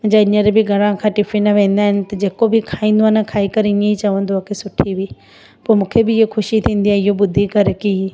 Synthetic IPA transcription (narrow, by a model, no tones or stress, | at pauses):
mɐ̃ɦɲd͡ʑaɪɲəɾbɪɡʱɐɽ̃ãkʰãːʈɪfinɐʋẽːn̆d̪aːɦɪnɪ̆t̪ɐd͡ʑeːkobɪkʰaːĩːnd̪oaːnɛkʰaːikɐɾɪ̃ẽit͡ɕɐʋə̃nd̪oaːkʰesʊʈʰiʋi | poːmũːkʰebɪɦoxʊʃit̪ʰĩːn̆d̪iãːɪɦobʊd̪ʱikɐɾki